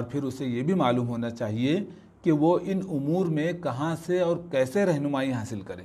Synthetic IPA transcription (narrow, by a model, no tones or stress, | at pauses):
ɔːɾpʰɪɾʊsejebʱimaːluːmɦoːnat͡ʃaːɦie | keʋoʔɪnʊmuːɾmẽkɐɦãseɔːɾkɛːseɾɛɦnʊmaːiɦaːsɪlkɐɾẽː